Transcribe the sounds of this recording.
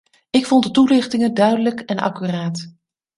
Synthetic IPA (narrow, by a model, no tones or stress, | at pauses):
ɪkfɔntdətulɪχtɪŋədœɥdələkɛnʔɑ̰kyraːt